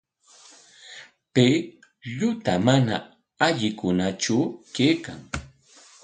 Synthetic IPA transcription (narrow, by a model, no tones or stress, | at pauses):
pe | ʎʊt̪amana̰ | aʎɪkʊnat͡ʃʊkejkaŋ